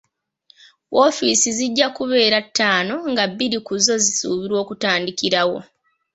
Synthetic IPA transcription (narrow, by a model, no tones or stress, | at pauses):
wʔo̞fiːsiziɟːakuβe̞ːɾatːaːno̞ŋɡabːiɾikuzo̞zisuːβiɾwo̞ːkutaːndikiɾawo̞̰